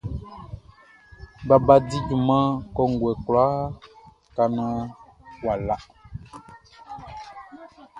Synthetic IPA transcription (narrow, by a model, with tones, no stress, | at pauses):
ba˨ba˦di˦d͡ʒu˨mã˦kɔ˦ŋ̩˨ɡwɛ˨kla˦ | ka˨nã˦ | wa˨la˦